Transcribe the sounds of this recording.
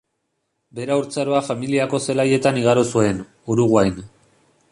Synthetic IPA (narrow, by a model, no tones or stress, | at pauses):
be̞ɾauɾt͡saɾoafamiliako̞se̞laje̞t̪aniɣ̞aɾosue̞n | uɾuɣwajn